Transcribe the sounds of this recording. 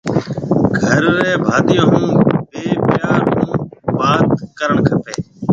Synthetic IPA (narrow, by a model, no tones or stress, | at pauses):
ɡʱəɾːeːbʱaːd̪ɪjõːɦũːbeːpɪjaːɾɦũːbaːt̪kəɾəɳkʰəpeː